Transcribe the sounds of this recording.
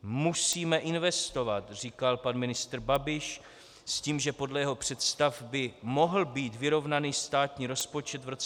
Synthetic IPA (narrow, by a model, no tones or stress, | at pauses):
musiːmɛʔɪnvɛst̪o̞vat̪r̝iːkalpanmɪnɪst̪ɾ̩babɪʃ | sciːmʒɛpo̞dlɛjɛɦo̞pr̝̥ɛt̪st̪afbɪmo̞ɦl̩biːt̪vɪɾo̞vnaniːst̪aːt̪ɲiːɾo̞spo̞t͡ʃɛt̪vɾot͡s